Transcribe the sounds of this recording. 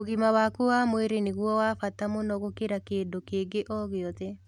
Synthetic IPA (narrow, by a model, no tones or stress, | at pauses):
oɣimawakowamweɾeneɣwɔwafatamonɔɣokeɾakeːndokeːɡeʔɔɣeɔðɛ